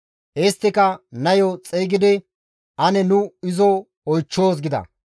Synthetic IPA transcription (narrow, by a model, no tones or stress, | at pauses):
ʔeːst̪ːɪkɐnɐjɔt͡sʼeːɡɪd̪ɪ | ʔɐnɛnʊɪzɔ | ɔjt͡ʃːoːs̬ɡɪd̪ɐ̰